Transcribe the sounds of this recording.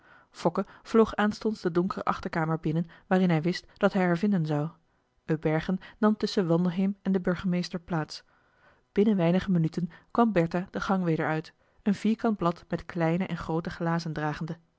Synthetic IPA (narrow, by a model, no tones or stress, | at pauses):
fɔkəv̥lowχaːnstɔnzd̥ədʊŋkərə̰ʔɑχtəɹkaːməɹbɪnənʋaːrɪnɦɛjʋɪstd̥ɑtɦɛjɦaːɹvɪndənzɑw | ʔøbɛɹχənːɑmtɵsəʋɑndəɦejmɛndəbɵɹχəmejstəɹplaːts | b̥ɪnənʋɛjnəχəmənytənkʋɑmbɛɹtad̥əχɑŋʋejdəɹœɥt | ənv̥iːɹkɑnd̚blɑtmɛtklɛjnəʔɛnχrowtəχlaːzəndraːχəndə